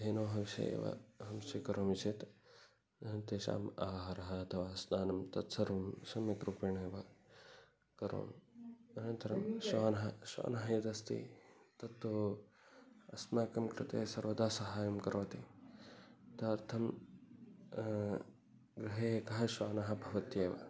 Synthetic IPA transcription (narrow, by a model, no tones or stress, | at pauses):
d̪eːnoːɦɐʋʃɐ̰jḛːʋɐ̰ɦɐmsikɐɾoːmit͡ʃʰet̪ | nt̪eːʃa̰ːmaːɦɐɾɐɦɐːt̪ʰɐʋaːsnaːnɐmt̪ɐt̪sɐɾʋɐmsɐmjɐkɾupeːɳeːʋɐ | kɐɾo̰ːmɐnɐnt̪ɐɾɐmʃʋaːnɐɦɐʃʋa̰ːnɐɦɐjɐd̪ɐst̪ḭ | t̪ɐt̪ːo | ɐsnaːkɐmkɾɪt̪eːsɐɾʋɐd̪aːsɐɦaːjɐmkɐɾoːt̪i | t̪ɐɾt̪ʰɐm | ɡɾɪɦeːeːkɐɦɐʃʋaːnɐɦɐ̆bʱɐʋɐt̪jeːʋɐ̰